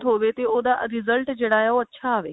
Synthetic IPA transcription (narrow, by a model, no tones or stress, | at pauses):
t̪ɦoʋet̪eod̪aɾizəlʈd͡ʑeɽajaoətːɕʰaːʋe